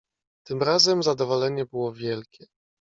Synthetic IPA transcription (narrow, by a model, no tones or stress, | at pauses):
t̪ɘmɾazɛmzad̪ɔvɔlɛɲɛbɘwɔvʲjɛlkʲɛ